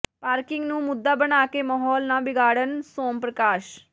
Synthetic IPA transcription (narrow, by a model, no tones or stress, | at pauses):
paːɾkɪŋɡnũːmʊd̪ːaːbənaːkemaɦɔːlnãːbɪɡaːɽənsoːmpɾəkaːʃ